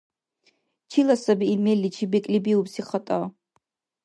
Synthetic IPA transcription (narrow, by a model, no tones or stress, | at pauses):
t͡ʃʰilasabiːmelːit͡ʃʰibikʼlibiubsiχatʼa